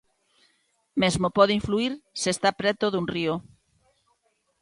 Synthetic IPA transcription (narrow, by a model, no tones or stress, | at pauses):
mezmopɔðiɱfluiɾsest̪apɾɛt̪oðunrio